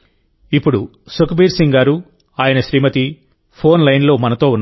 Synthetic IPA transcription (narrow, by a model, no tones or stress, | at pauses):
ipːuɽusukɐbiːɾsiŋɡaːɾu | aːjɐnɐʃɾiːmɐt̪i | pʰo̞ːnlɐjnlo̞ːmɐnɐt̪o̞ːunː